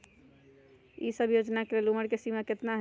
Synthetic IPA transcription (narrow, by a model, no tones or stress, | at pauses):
ḭsəbʱjod͡ʒnakeleluməɾkesimaket̪naɦ